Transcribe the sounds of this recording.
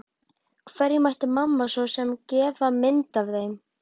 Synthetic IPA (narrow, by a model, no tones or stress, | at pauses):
kʰvɛɾjɪmajht̪ɪmamːasɔsɛmcɛːvamɪnt̪avθejm